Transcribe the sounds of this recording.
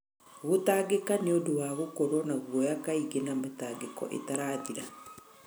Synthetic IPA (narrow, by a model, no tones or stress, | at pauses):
ɣotaːɡekaneodowaɣokoɾonaɣwɔjakaiɣenamataːɡekɔ̰ʔḛtaɾaːðiɾa